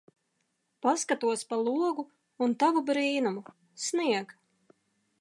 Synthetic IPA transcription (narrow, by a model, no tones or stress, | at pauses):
paskat̪uɔspalˠuɔɡu | unt̪avubɾiːnumu | sniɛɡ